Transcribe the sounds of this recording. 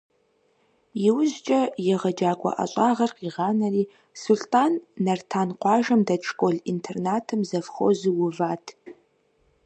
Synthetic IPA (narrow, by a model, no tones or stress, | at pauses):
jɪwʊzt͡ʃʼɐjɛʁɐd͡ʒaːkʷʼɔ̰ʔɐ̰ɕʼaːʁɐrqiːʁɑːnɐriː | sʊɬtʰʼaːnːɐrtʰaːnqʷɑːʒɐmdɐt͡ʃʰʼkʷʼoɮintʰernaːtʰɨmzɐfχo̰zɨwʊvaːtʰ